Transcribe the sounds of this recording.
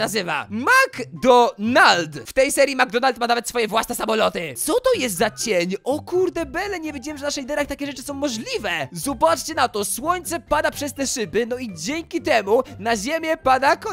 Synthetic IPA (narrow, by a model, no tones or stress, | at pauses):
nazɘva̰maɡd̪ɔnald̪ft̪ɛjsɛɾʲjimaɡ̚d̪ɔnalt̪̚manavɛt̪sfɔjɛvwasnɛsamɔlɔt̪ɪt̪sɔt̪ɔjɛst̪zat͡ɕeɲɔkuɾd̪ɛbɛlɛɲɛvʲjed͡ʑɛwɛmʐɛvnaʂɛlʲid̪ɛɾaxt̪akʲɛʐɛt͡ʂɘ̥sɔ̃w̃mɔʐlʲivɛzɔbat͡ʂt͡ɕɛnat̪ɔswɔɲt̪sɛpad̪apʂɛst̪ɛʂɘbɘnɔid͡ʑɛŋkʲit̪ɛmunaʑemʲjɛpad̪akɔ